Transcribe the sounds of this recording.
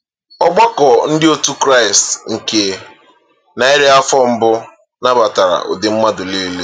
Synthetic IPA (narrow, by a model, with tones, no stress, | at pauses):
ɔ˦ɡ͡bɔ˦kɔ˨n̩˦dɪ˦o˦tu˦kɾa˦˨ɪ˨stŋ̩˨ke˦ | na˨ɪ˦ɾe˦a˦fɔ˦m̩˦bʊ˦ | na˦ba˨ta˨ɾa̰˨ʔo̰˨dɪ˨m̩˦ma˦dʊ˨le˦le˦